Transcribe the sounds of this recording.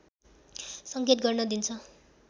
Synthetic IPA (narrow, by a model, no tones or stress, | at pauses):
sʌŋɡet̪ɡʌrnʌd̪int͡sʰʌ